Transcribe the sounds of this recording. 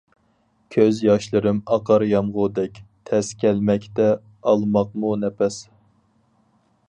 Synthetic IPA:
kʲʰøzjɑʃlˠɨɾɨmɑqʰɑɾjɑmʁʊd̪ɛkʲt̪ʰɛskʲʰɛlmɛkʲt̪ɛ | ɑlˠmɑq̚munɛpʰɛs

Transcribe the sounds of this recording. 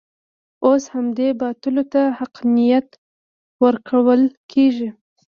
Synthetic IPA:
oshamd̪ebɑt̪ʊlot̪ahaqnijat̪ | wəɾkʰawəlkʰeʒi

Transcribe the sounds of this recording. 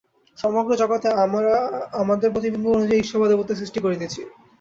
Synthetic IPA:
ʃɔmoɡɾod͡ʑɔkat̪eaɾaamad̪eɾpɾot̪ibinbʱoonud͡ʑaiiʃobʱad̪obot̪ːes̬ɾiʃʈikoɾed̪iet͡ɕʰi

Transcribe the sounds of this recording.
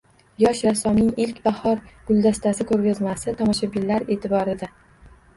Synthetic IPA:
jɒʃɾasɒmnɪŋɪlkʲbahɒɾɡ̥ʊlˠd̪ast̪asɪkʰɵɾɡʲazmasɪt̪ʰɒmɒʃabɪlːaɾe̞ːt̪ʰɪbɒɾɪd̪a

